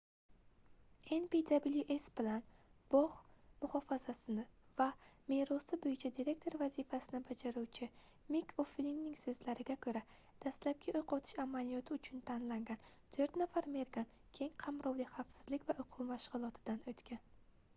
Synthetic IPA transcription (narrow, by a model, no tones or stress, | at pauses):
enpid̪abiljuʔesbɪlanb̥ɒʁmʊχɒfazasɪnɪvame̞ɾɒsɪbojɪt͡ʃʰad̪iɾe̞k̚ʲt̪ʰo̞ɾvazifasɪnɪbad͡ʒaɾuwt͡ʃʰɪ | mikʰofliŋnɪŋsɵzlaɾɪɡʲakʰɵɾa | d̪̥ast̪lap̚kʲaʔojqʰɒt̪ʰɪ̥ʃamalijɒt̪ʰɪʊt͡ʃʰʊnt̪ʰanlaŋɡʲant̪ʰɵɾt̪nafaɾme̞ɾɡʲan | kʲʰe̞ŋqʰamɾɒwlɪχafsɪz̥lɪkʲvaʔojqʰuwmaʃʁʊlˠɒt̪ʰɪd̪anɵt̪kʲan